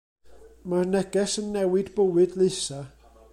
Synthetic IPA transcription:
marnɛɡɛsənːɛwɨdbəwɨdlˠɨjsa

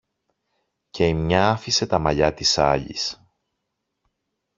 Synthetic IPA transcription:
ce̞imɲɐɐfise̞t̪ɐmɐʎɐt̪isɐ̰ʎḭs

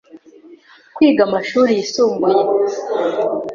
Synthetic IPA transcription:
kwiːɡamaʃuːɾijisuːmbuje

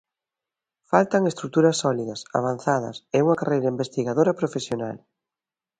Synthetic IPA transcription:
falt̪ɐŋest̪ɾuk̚t̪uɾɐsːɔliðɐsa̰β̞an̟θaðɐ̰sɛuŋɐkarejɾɐimbest̪iɣaðoɾɐpɾofesjonal

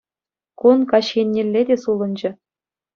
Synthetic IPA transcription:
kunkɑɕxʲenʲːĕlʲːedʲesulˠɤ̆nd͡ʑɘ̆

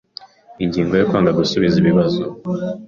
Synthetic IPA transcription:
iɲɟiːŋɡojokwaːŋɡaɡusuβiziβiβazo

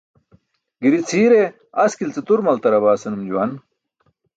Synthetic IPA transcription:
ɡiɾit͡sʰiːɾe | ɐskilt͡set̪uɾmɐlt̪ɐɾɐbaːsɐnumd͡ʑuwɐn

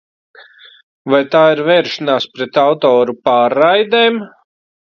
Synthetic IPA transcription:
vajt̪aːiɾvɛːɾʃanaːspɾɛt̪awt̪ɔːɾupaːɾːajd̪eːm

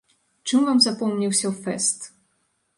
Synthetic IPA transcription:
t͡ʂɨmvamzapɔmnʲiwsʲɐfɛst̪

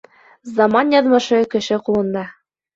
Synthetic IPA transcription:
zɑmɑnjɑðmɤ̆ʃɤkɘ̆ʃɘqulˠɤ̆nd̪ɑ

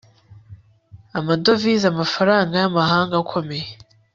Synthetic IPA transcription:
amado̞vizamafaɾaːŋɡajamahaːŋɡakʰo̞me̞je

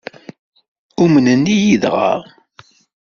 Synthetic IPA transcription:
umnənːijiðʁə̰ʁ

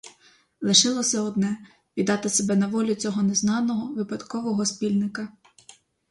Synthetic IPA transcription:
lˠɪʃɪlˠɔsʲɐɔd̪nɛ | ʋʲid̪ɑt̪ɪsebɛnɐʋɔlʲʊt͡sʲɔɦɔneznɑnɔɦɔʋɪpɐd̪kɔʋɔɦɔspʲilʲnɪkɐ

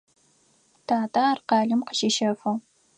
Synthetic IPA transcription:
tʰaːtʼaːrqɑːɮɨmqəʃiʃɐfɨ

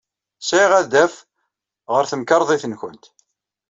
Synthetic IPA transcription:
siʁæðæf | ʁəɾθəmkɑɾˤðˤiθənçənt̪

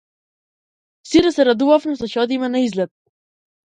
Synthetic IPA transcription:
siɾasɛɾad̪uvafnɛsɔʃɔd̪imɛnaizlɛt̪̚

